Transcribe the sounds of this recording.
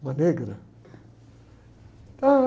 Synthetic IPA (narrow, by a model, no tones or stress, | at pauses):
maneɡəɾa | t̪a